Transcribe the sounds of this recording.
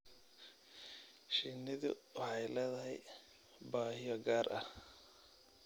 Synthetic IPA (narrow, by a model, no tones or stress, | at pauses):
ʃinɪðʊ̰wɑħɑjlɛːðɐɦɛj | baːhɪjɔɡaːrʔɐ̰h